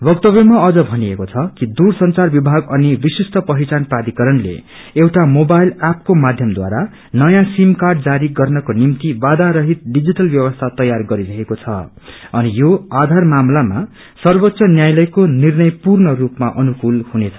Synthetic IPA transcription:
bʌkt̪ʌbjʌmaʌd͡zʌbʱʌniekot͡sʰʌkid̪ursʌnt͡sarbibʱaɡʌnibisist̪ʰʌpʌɦit͡sanprad̪ʱikʌɾʌnlḛ | ewʈamobajlap̚komad̪ʱjʌmd̪wa̰ɾa | nʌjãsimkarɖd͡zaɾiɡʌrnʌkonimt̪ibad̪aɾʌɦit̪̚ɖid͡ziʈʌlbjʌwʌst̪ʰat̪ʌjarɡʌɾiɾʌɦekot͡sʰʌ̰ | ʌnijoad̪ʱarmamlama̰ | sʌrbot̪ːsʌnjajlʌjkonirnʌjpurnʌrupmaʔʌnukulhunet͡sʰʌ

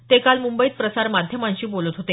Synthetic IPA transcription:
t̪ekalmumbəit̪̚pɾəsaɾmad̪ʱjəmãɲt͡ɕiːbolət̪ɦot̪e

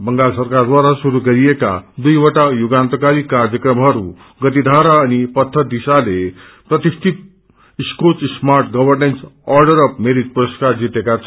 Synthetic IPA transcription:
bəŋɡalsəɾkaɾd̪ʋaɾasuɾuɡəɾieka̰d̪ujʋəʈajuɡãnt̪kaɾiːkaɾjəkɾəmɦaɾṵ̃ | ɡət̪̬id̪ʱaɾaːnipət̪ʰːəd̪isale | pɾət̪ist̪ʰit̪̚ | iskot͡ssmaɾʈɡəʋəɾnensɔɾɖəɾəpmeɾit̪̚puɾəskaɾd͡ʑit̪ekat͡s

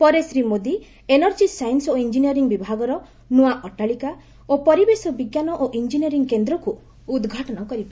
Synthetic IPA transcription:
pɔɾesɾimod̪i | enɔɾd͡ʒisajnsoind͡ʒinijɔɾiŋbibʱaɡɔɾɔ | nuaʔɔʈaɭika | opɔɾibesɔbiɡjanɔʔoʔind͡ʒiniɔɾiŋkend̪ɾɔku | ud̪ɡʱaʈɔnɔkɔɾiba

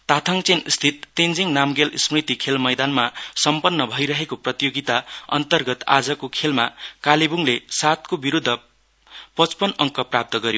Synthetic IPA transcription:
t̪at̪ʰʌŋt͡senst̪ʰit̪ːend͡ziŋnamɡelsmrit̪ikʰelmʌjd̪anmasʌmpʌnːʌbʱʌjɾʌɦekoprʌt̪ijoɡit̪aʌ̰nt̪ʌrɡʌt̪a̰d͡zʌkokʰelmakalebuŋlesat̪kobiɾud̪ʱːʌ | pʌt͡spʌnʌŋkʌprap̚t̪ʌɡʌɾjo

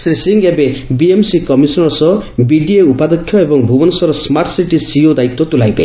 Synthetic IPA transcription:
sɾisiŋɡebebiemsikɔmisɔnɔɾsɔbiɖieupad̪ɔkʰːjɔebɔŋbʱubɔnɔsɔɾɔsmaɾʈsiʈisiod̪aikt̪ːɔt̪ulajbḛ

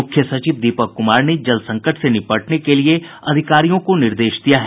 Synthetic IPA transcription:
ʊkʰjəsɐt͡ʃiːʋd̪iːpəkːʊmaːɾned͡ʒɐlsɐ̃ŋkəʈsenɪpəʈnekelie | ɐd̪ʱɪkaːɾijõkonɪɾd̪eːʃd̪ijaɦɛ

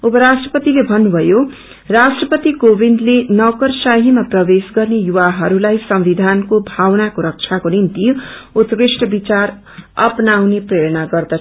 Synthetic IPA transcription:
upʌɾasʈrʌpʌt̪ilebʱʌnːubʱʌjo | rasʈrʌpʌt̪ikobʱind̪lenʌkʌrsaɦimaprʌbesɡʌrnejuwaɦʌɾulajsʌmbid̪ʱankobʱawnakoɾʌk̚t͡ʃʰakonint̪iut̪risʈʌbit͡sar | ʌ̰pnawnepreɽʌnaɡʌrd̪ʌ

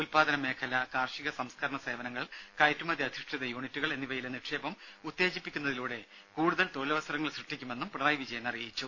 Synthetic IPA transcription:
ulpaːd̪ɐnɐme̞ːkʰɐlɐkaːrʂiɣɐsɐmskʰɐɾɐɳɐse̞ːʋɐnɐŋːɐɭkɐjtːumɐd̪ʱiɐd̪ʱiʂʈiðɐjuːɳitːuɣɐɭe̞nːiʋɐjileniʈʂeːbɐmut̪ːe̞ːd͡ʑipːikʲːunːɐðiluːɽe̞ | kuːɽuðɐlt̪oːlɐʋɐsɐɾɐŋːɐɭsrɨʂʈːikʲːume̞nːumpraːjʋid͡ʑɐjɐnɐrijit͡ɕːu

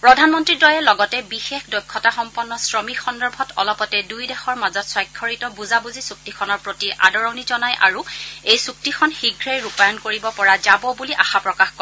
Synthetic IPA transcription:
pɹɔdʱanmɔntɹidɔjɛlɔɡɔtɛbixexdɔjkʰːɔtaxɔmpɔnːɔsɹɔmixɔndɔɹbʱɔtɔ̰lɔpɔtɛdujdɛxɔɹmazɔtswɔjkʰːɔɹitɔbuzabuzisuk̚tikʰɔnɔɹpɹotiʔa̰dɔɹɔnizɔnajʔa̰ɹuejsuk̚tikʰɔnxiɡʱɹejɹupajɔnkoɹibɔpɔɹazabɔbuliʔaxapɹɔkaxkɔ

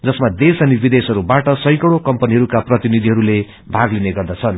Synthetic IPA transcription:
d͡zʌsmad̪esʌnibid̪esɦʌɾubaʈʌsʌ̃j̃kʌɽokʌmpʌniɦʌɾukaprʌt̪inid̪ʱiɦʌɾule | bʱaɡlineɡʌrd̪at͡sʰʌn

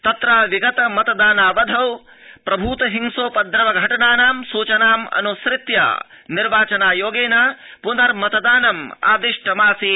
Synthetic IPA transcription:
t̪ɐt̪ɾaːʋiɡɐt̪ɐmɐt̪ɐd̪aːnaːʋɐd̪ʱɐw | pɾɐbʱuːt̪ɐɦiŋsoːpɐd̪ɾɐʋɐɡʱɐʈɐɳaːnaːmsuːt͡ʃɐnaːmɐ̰nusɾɪt̪ja̰ː | niɾʋaːt͡ʃɐnaːjoːɡeːnaːpunɐɾmɐt̪ɐd̪aːnɐma̰ːd̪iʂʈɐmaːsi

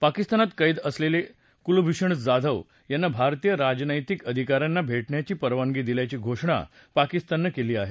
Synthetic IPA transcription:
pakist̪anat̪kəjd̪əslele | kulubʱiɕəɳd͡zad̪ʱəʋ | janːabʱaɾt̪ijəɾad͡ʑnəjt̪ikəd̪ʱikaɾjanːabʱeʈɳjat͡ɕiːpəɾʋaŋɡiːd̪iljat͡ɕiːɡʱoʂɳa̰ | pakist̪anːakeliːaɦe

